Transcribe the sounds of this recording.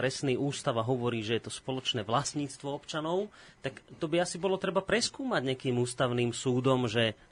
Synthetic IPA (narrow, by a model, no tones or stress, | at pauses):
ɾɛsniːuːst̪aʋaɦɔʋɔɾiːʒɛjɛt̪ɔspɔlɔt͡ʃnɛːʋlast̪ɲiːt͡st̪ʋɔɔpt͡ʃanɔʊ | t̪akt̪ɔbiasibɔlɔt̪ɾɛbapɾɛskuːmaɟɲɪakiːmuːst̪aʊniːmsuːd̪ɔmʒɛ